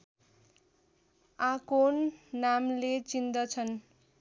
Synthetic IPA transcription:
akonːamlet͡sind̪ʌt͡sʰʌn

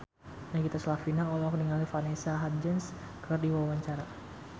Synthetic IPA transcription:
nakit̪aslafinaɔlɔkniŋalifanesaɦad͡ʒəns | kʰərdiwawaɲt͡ʃaɾa

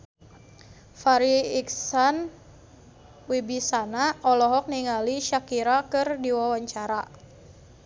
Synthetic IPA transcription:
faɾiiksan | wibisanaɔlɔɦɔk̚niŋaliʃakiɾakɨrdiwawaɲt͡ʃaɾa

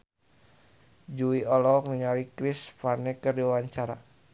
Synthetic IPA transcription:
d͡ʒuiɔlɔkniŋawikɾisfanɛkɨrdiwawaɲt͡ʃaɾa

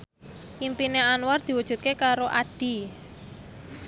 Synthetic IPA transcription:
ʔimpineanward̪̥i̤wud̥ʒ̥ṳt̪̚kekaɾoʔaɖ̥i̤

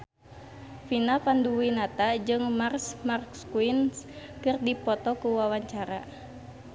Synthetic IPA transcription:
finapanduwinat̪ad͡ʒɨŋmarsmarkskuinskɨrdipɔt̪ɔkuwawaɲt͡ʃaɾa̰

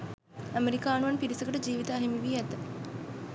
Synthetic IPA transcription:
æmeɾikaːnuʋɐnpiɾisɐkəʈəd͡ʒiːʋit̪aːɦemiʋiːæt̪ə

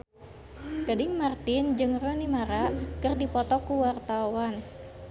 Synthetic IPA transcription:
ɡ̥adɪŋmart̪ɪnd͡ʒɨŋrɔnimaɾakɨrdipɔt̪ɔkuwart̪awan

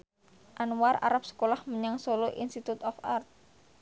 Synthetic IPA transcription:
ʔanwara̰ɾap̚sə̥kolahməɲaŋsoloʔinst̪it̪ut̪ɔfart̪̚

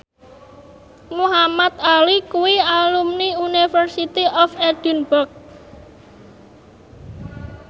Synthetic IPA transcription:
muɦamat̪alikuwialumniunifərsit̪iʔɔfɛd̪̥i̤nbʊrk̚

